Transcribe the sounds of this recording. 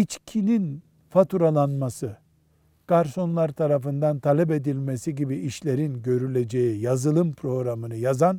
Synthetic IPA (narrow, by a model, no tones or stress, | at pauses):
it͡ʃcʰinin | fat̪ʰuɾalˠanmasɯ | kaɾso̞nlˠaɾt̪ʰaɾafɯnd̪ant̪ʰalʲɛpe̞d̪ilʲmesiɟibiiʃlʲe̞ɾinɟø̞ɾylʲed͡ʒejijazɯlˠɯmpʰɾo̞ɡɾamɯnɯjazan